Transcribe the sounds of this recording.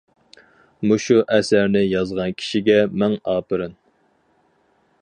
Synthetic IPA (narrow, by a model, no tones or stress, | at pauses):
muʃuʔɛsæɾnɪjɑzʁɑnkʲʰi̥ʃiɡʲɛmɛŋɑːpɨɾɨn